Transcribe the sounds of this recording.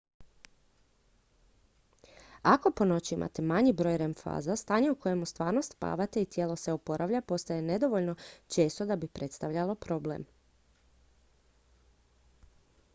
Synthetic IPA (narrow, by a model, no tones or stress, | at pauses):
ako̞po̞no̞t͡ɕiimʔa̰t̪e̞maɲibɾo̞jɾemfa̰ːzast̪aːɲeukʰo̞je̞must̪ʋaːɾno̞st̪pa̰ːʋat̪e̞it̪je̞ːlo̞se̞opo̞ɾʔaʋʎapo̞st̪aje̞ne̞d̪o̞ʋo̞ʎno̞t͡ʃe̞ːst̪od̪abipɾʔe̞t̪st̪aʋʎalo̞pɾo̞blḛm